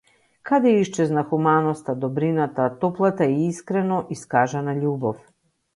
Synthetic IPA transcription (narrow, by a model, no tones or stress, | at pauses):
kad̪ɛiʃt͡ʃɛznaxumanɔst̪ad̪ɔbɾinat̪at̪ɔplˠat̪aiiskɾɛnɔʔiskaʒanaʎubɔf